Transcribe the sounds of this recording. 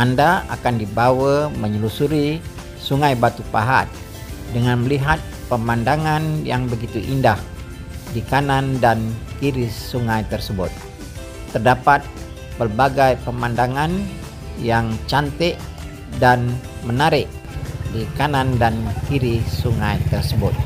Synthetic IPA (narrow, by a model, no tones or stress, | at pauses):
andaakandibawəməɲəlusuɾi | suŋajbat̪upaɦa̰t̪̚ | dəŋanməliɦat̪̚pəmandaŋanjaŋbəɡit̪uʔindah | dikanandankiɾisuŋajt̪ərsəbʊt̪̚ː | ərdapat̪̚ | pərbaɡajpəmandaŋan | jaŋt͡ʃant̪ɛʔ | danmənaɾɪʔ | dikanandankiɾisuŋajt̪ərsəbʊ̰t̪̚